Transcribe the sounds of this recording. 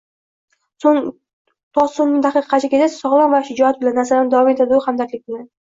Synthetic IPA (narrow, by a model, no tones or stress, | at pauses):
soŋ | t̪ʰɒonnɪd̪aqɨqʰːɑt͡ʃʰɪkʲed̪ḁsɒʁlˠanvaʃɪd͡ʒɒat̪̚bɪlanːasalanɪd̪avɒme̞t̪ʰad̪ɪʊhamd̪aɾʲlɪk̚ʲbɪlan